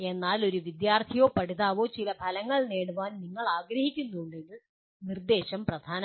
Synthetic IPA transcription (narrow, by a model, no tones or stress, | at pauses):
e̞nːaːlo̞ɾuʋid̪jaːrt̪ʰijo̞ːpɐɽiðaːʋo̞ːt͡ɕilɐbʰʱɐlɐŋːɐɭne̞ːɽuʋaːnniŋːɐɭaːɡɾɐhikʲːunːuuɳɖiɽɨ | nird̪e̞ːɕɐmprɐd̪ʱaːn